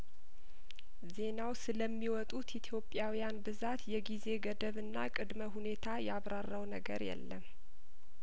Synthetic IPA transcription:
ze̞nawsɨləmːiwɔt̪ʼut̪it̪ʰjo̞pʼːjawijanbɨzat̪jɛɡize̞ɡəd̪əβɨnːakʼɨd̪məɦune̞t̪ʰajɛaβɾarːəwnəɡə̰ɾjɛ̰lːəm

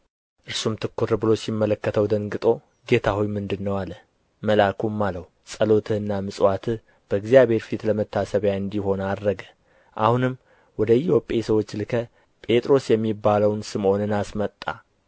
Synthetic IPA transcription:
ʔɨɾsumt̪ʰɨkʰːuɾɨbɨlo̞simːələkːət̪ʰəwd̪əŋɡɨt̪ʼo̞ | ɡe̞t̪ʰawujmɨnd̪ɨnːəwalːə | məlakʰumːaləw | sʼəlo̞t̪ʰɨhɨnːamɨsʼwat̪ʰɨ | b̥əɨɡzijaβhe̞ɾfit̪ləmət̪ʰːasəβjaɨnd̪iho̞nad̪ɾəɡə | ʔahunɨmː | wɔd̪əjɪho̞pʼesəwo̞t͡ʃːlɨkʰə | pʼe̞t̪ʼɾo̞sjɛmːibːaləwnsɨmo̞nɨnasmət̪ʼːa̰

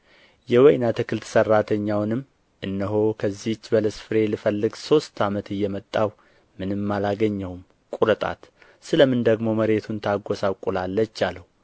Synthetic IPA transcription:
jɛwɔjnat̪ʰɨkʰɨlt̪ʰsərːat̪ʰəɲːawnɨmː | ʔɨnːəɦo̞kʰəzːit͡ʃːbələsfɨɾe̞lɨfəlːɨɡso̞st̪ʰamət̪ɨjːɛmət̪ʼːaw | mɨnɨmːalaɡəɲːəwm | kʼuɾət̪ʼa̰t̪ | sɨləmɨnd̪əɡmo̞məɾe̞t̪ʰunt̪ʰaɡːosawkʼulalːət͡ʃːaləwu

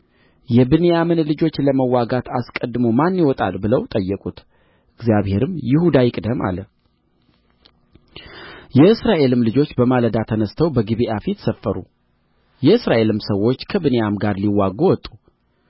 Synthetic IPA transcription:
jɛbɨnejamɨnlɨd͡ʒo̞t͡ʃːləməwːaɡat̪ʰaskʼəd̪ːɨmomanːiwɔt̪ʼa̰lbɨləwt̪ʼəjːəkʼut̪ | ʔɨɡzjaβhe̞ɾɨmjɪhud̪ajɪkʼd̪əmʔa̰lə | jɛʔɨsɾaʔe̞lɨmlɨd͡ʒo̞t͡ʃːbəmaləd̪at̪ʰənəst̪ʰəwbəɡɨβiʔafit̪səfːəɾṵ | jɛɨsɾaʔe̞lɨmsəwːo̞t͡ʃːkʰəbɨnejamɡaɾliwːaɡowɔt̪ʼːu

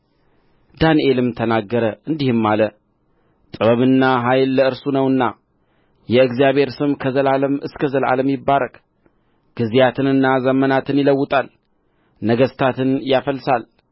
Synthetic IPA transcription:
d̪aniʔe̞lɨmt̪ʰənaɡːəɾəʔɨnd̪ihɨmːalə | t̪ʼɨβəβɨnːaɦajlːəɨɾsunəwɨnːa | jɛɨɡzijaβhe̞ɾsɨmkʰəzəlaləmɨskʰəzəlʔa̰ləmjɪbːaɾəkʼ | ɡ̥ɨzijat̪ʰɨnɨnːazəmənat̪ʰɨnjɪləwːʊt̪ʼal | nəɡəst̪ʰat̪ɨnjafəlːsal

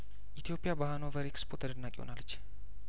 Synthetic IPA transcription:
ʔit̪ʰijo̞pʼijabahanovəɾekspʰot̪ʰəd̪ənːakʼihona̰lːət͡ʃː

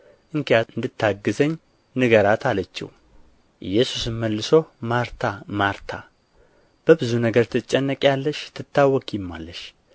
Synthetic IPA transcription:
ʔɨŋkʰejaɨnd̪ɨt̪ʰːaɡːɨzəɲː | nɨɡəɾat̪ʰalət͡ʃːḭw | ʔɨ̰jːɛsusɨmːəlːɨsomaɾt̪ʰamaɾt̪ʰa | b̥əbɨzunəɡəɾt̪ʰɨt͡ʃʼːɛnːəkʼjalːəʃt̪ʰɨt̪ːawːɔkʼjɪmːa̰lːəʃ

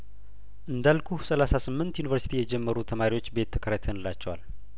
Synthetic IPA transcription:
ʔɨnd̪alkʰusəlasasɨmːɨnt̪junivəɾsi̥t̪ʰijɛd͡ʒɛmːəɾut̪ʰəmaɾiwot͡ʃːbe̞t̪ʰːə̥kʰəɾət̪ʰənɨlːat͡ʃːɛwa̰l

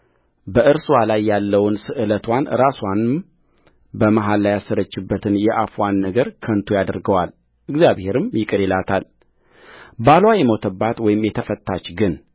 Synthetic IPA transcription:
bəʔɨɾswalajːalːəwnsɨʔɨlət̪ʰwanɨ̰ɾaswan | bəmaɦalːajasːəɾət͡ʃːɪbːət̪ʰɨnjɛʔafwanːəɡəɾkʰənt̪ʰujad̪əɾɡəwal | ʔɨɡzjaβhe̞ɾɨmjɪkʼɨɾelat̪ʰal | balwajɛmot̪ʰəbːat̪wɔjɪmjɛt̪ʰəfət̪ːat͡ʃɡɨn

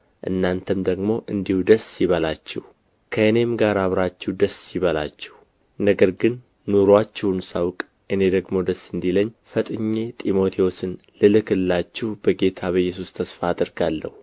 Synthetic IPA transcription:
ʔɨ̰nːant̪ʰəmd̪əɡmo̞ʔɨnd̪ihud̪əsːiβəlat͡ʃːɛh | kʰəɨne̞mɡaɾaβɾat͡ʃːɛhd̪əsːiβəla̰t͡ʃːɛh | nəɡəɾɡɨnː | uɾwat͡ʃːɛhunsawkʼ | ʔɨne̞d̪əɡmo̞d̪əsːɨnd̪iləɲːfət̪ʼɨɲːe̞t̪ʼimo̞t̪ʰiosɨn | lɨlɨkɨlːat͡ʃːɛhbəɡe̞t̪ʰaβəjːɛs̬ust̪ʰəsfaːd̪ɨɾɡalːə̰hu

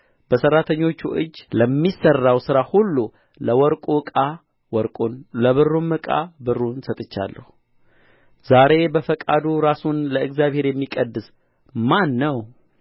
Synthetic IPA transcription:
b̥əsərːat̪ʰəɲːo̞t͡ʃːuʔɨ̰d͡ʒːləmːisərːawsɨɾahulːu | ləwɔɾkʼukʼa | wɔɾkʼləβɨrːumːɨkʼa̰bɨrːunsət̪ʼɨt͡ʃːa̰lːə̰hu | z̥aɾe̞bəfəkʼad̪uɾasunləɨɡzjaβhe̞ɾjɛmːikʼəd̪ɨs | manːəw

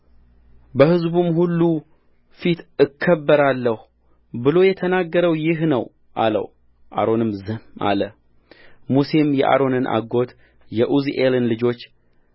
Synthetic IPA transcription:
bəhɨzbumhulːu | fit̪ɨkʰːəbːəɾalːəh | bɨlo̞jɛt̪ʰənaɡːəɾəwjɪhnəw | ʔalə̰w | ʔa̰ɾo̞nɨmzɨmːa̰lə | muse̞mjɛʔa̰ɾo̞nɨnʔa̰ɡo̞t̪ | jɛʔuziʔelɨnlɨd͡ʒo̞t͡ʃː

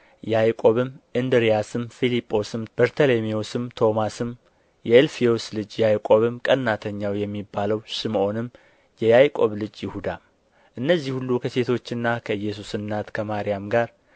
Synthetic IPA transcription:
jajkʼo̞βɨmʔɨnd̪ɨɾijasɨmfilipʼːo̞sɨmb̥əɾt̪ʰəlemio̞sɨmt̪ʰo̞masɨm | jɛːlfijo̞slɨd͡ʒjajkʼo̞βɨmkʼənːat̪ʰəɲːawjɛmːibːaləwʃɨmʔo̞nɨm | jɛjajkʼo̞βlɨd͡ʒjɪhud̪a | ʔɨnːəzːihulːukʰəse̞t̪ʰo̞t͡ʃːɨnːakʰəɨjːɛs̬usɨnːat̪kʰəmaɾijamɡaɾ

